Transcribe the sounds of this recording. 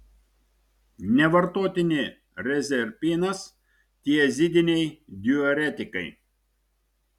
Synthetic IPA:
nʲɛʋɐɾt̪oːt̪ʲɪnʲɪ | ɾʲɛzʲɛɾʲpʲinɐs | t̪ʲiɛɛzʲɪd̪ʲɪnʲɛjd̪ʲiɔɾʲɛt̪ʲɪkɐɪ

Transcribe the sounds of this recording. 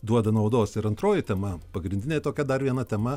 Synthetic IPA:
d̪uɔd̪ɐnɐʊd̪oːsɪɾɐnt̪ɾoːjɪt̪ʲɛmɐpɐɡɾʲɪnʲd̪ʲɪnʲeːt̪oːkʲɛd̪ɐrʋʲiɛnɐt̪ʲɛmɐ

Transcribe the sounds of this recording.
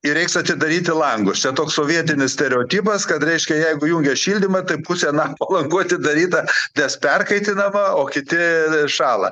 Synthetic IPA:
ɪɾʲɛɪksɐt̪ʲɪd̪ɐɾʲiːt̪ʲɪlˠɐŋɡʊst͡ʃʲɛt̪oːkssoːʋʲiɛt̪ʲɪnʲɪssʲt̪ʲɛɾʲɛoːt̪ʲiːpɐskɐt̪ɾʲɛɪʃʲkʲɛjɛɪɡʊjuːŋʲɡʲɛʃʲiːlʲd̪ʲɪmɐt̪ɐɪpʊsʲɛnɑːpɐlˠɐŋɡuɐt̪ʲɪd̪ɐɾʲiːt̪ɐnʲɛspʲɛrkɐɪt̪ʲɪnɐmɐoːkʲɪt̪ʲɪʃɑːlˠɐ̰

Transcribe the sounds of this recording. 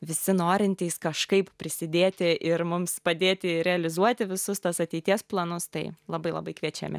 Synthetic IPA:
ʋʲɪsʲɪnoːɾʲɪnʲt̪ʲiɪskɐʃkɐɪppʲɾʲɪsʲɪd̪ʲeːt̪ʲɪʔɪɾmʊmspɐd̪ʲeːt̪ʲɪɾʲɛɐlʲɪzuɔt̪ʲɪʋʲɪsʊst̪ɐsɐt̪ʲɛɪt̪ʲiɛsplˠɐnʊst̪ɐɪlˠɐbɐɪlˠɐ̰bɐɪkʋʲiɛt͡ʃʲɛ̰mʲɪ̰

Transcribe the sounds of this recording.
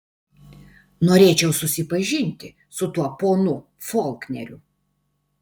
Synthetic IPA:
noːɾʲeːt͡ʃʲɛʊsʊsʲɪpɐʒʲɪnʲt̪ʲɪ | sʊt̪uɔpoːnʊ | fɔːlʲˠknʲɛ̰ɾʲʊ

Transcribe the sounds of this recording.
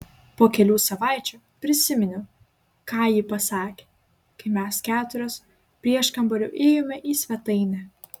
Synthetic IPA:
poːkʲɛlʲuːsɐʋɑˑɪt͡ʃʲuː | pʲɾʲɪsʲɪmʲɪnʲʊ | kɑːjiːpɐsɑːkʲeː | kɐɪmʲɛskʲæːt̪ʊɾʲoːs | pʲɾʲiɛʃkɐmbɐlʲʊ̰ːʔɛːjomʲɛʔiːsʲʋʲɛt̪ɐɪnʲɛ

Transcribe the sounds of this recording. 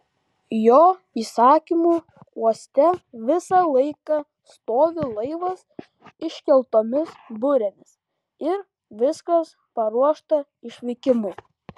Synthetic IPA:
joː | iːsɑːkʲimuː | uɔsʲt̪ʲɛʋʲɪsɐlˠɐɪkɐ | st̪oːʋʲɪlˠɐɪʋɐs | ɪʃʲkʲɛlˠt̪oːmʲɪsbʊɾʲɛmʲɪs | ɪɾ | ʋʲɪskɐs | pɐɾuɔʃt̪ɐ | ɪʃʲʋʲɛɪkʲɪmuː

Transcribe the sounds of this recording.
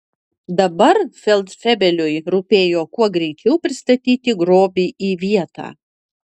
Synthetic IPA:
d̪ɐbɐɾfʲɛlˠt̪fʲɛbʲɛlʲʊjɾupʲeːjoːkuɔɡɾʲɛɪt͡ʃʲɛʊpʲɾʲɪst̪ɐt̪ʲiːt̪ʲɪɡɾoːbʲiːʔiːʋʲiɛt̪ɑ̰ː

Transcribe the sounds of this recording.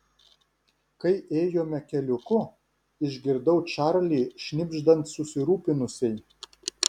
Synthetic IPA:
kɐɪʔeːjoːmʲɛkʲɛlʲʊkʊ | ɪʒʲɡʲɪɾd̪ɐʊt͡ʃɑɾlʲiːʃʲnʲɪbʲʒd̪ɐnt̪sʊsʲɪɾuːpʲɪnʊsʲɛɪ

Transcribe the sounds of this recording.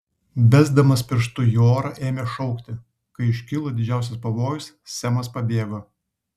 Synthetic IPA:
bʲæzd̪ɐmɐspʲɪɾʃt̪ʊjoːɾɐʔeːmʲɛʃɔʊkt̪ʲɪ | kɐɪɪʃʲkʲɪlˠoːd̪ʲɪd͡ʒʲæˑʊsʲɛspɐʋoːjʊs | sʲæmɐspɐbʲeːɡo

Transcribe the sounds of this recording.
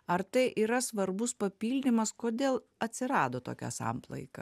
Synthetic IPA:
ɐɾt̪ɐɪʔiːɾɐsʋɐɾbʊspɐpʲiːlʲnʲɪmɐskoːd̪ʲeːlˠ | ɐt̪ʲsʲɪɾɑːd̪oːt̪o̰ːkʲɛ̰sɑ̰mplˠɐ̰ɪkɐ̰

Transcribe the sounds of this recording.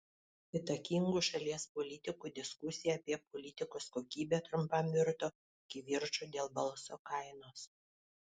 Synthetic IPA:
ɪt̪ɐkʲiŋɡuːʃɐlʲiɛspɔlʲɪt̪ʲɪkuːd̪ʲɪskʊsʲɪjɛɐpʲiɛpɔlʲɪt̪ʲɪkoːskoːkʲiːbʲɛt̪ɾʊmpɑmʲɪɾt̪oː | ɪkʲɪʋʲɪɾt͡ʃoːd̪ʲeːlˠbɐlˠsoːkɐɪnoːs

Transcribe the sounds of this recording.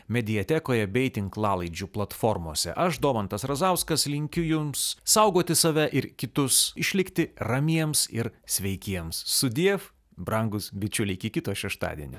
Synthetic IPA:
mʲɛd̪ʲɪjɛt̪ʲɛkoːjɛbʲɛɪt̪ʲɪŋklˠɑːlˠɐɪd͡ʒʲuplˠɐt̪foːɾmo̰ːsʲɛ̰ʔɐʃd̪oːmɐnt̪ɐsɾɐzɐʊskɐslʲɪŋʲkʲʊjʊmssɐʊɡoːt̪ʲɪsɐʋʲɛʔɪɾkʲɪt̪ʊsɪʃʲlʲɪkt̪ʲɪrɐmʲiɛmsɪɾsʲʋʲɛɪkʲiɛmssʊd̪ʲiɛf | bɾɐŋɡʊsbʲɪt͡ʃʲʊlʲɪɪkʲɪkʲɪt̪uːʃʲɛʃt̪ɑ̰ːd̪ʲḭɛnʲɪ̰

